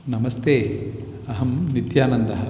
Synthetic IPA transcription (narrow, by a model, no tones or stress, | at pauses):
nɐmɐst̪eː | ɐɦɐmnit̪jaːnɐnd̪ɐɦɐ